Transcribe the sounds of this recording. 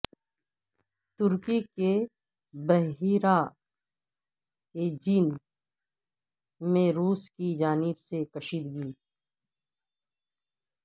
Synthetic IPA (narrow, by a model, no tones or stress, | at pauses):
t̪ʊɾkike | bəɦiɾa | ed͡ʒiːn | mẽɾuːskid͡ʒaːnɪbsekɐʃiːd̪ɡiː